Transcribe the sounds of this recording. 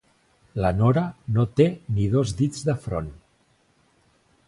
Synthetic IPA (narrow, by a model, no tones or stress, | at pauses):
lənoɾənot̪enið̞ozðid͡zðəfɾo̰n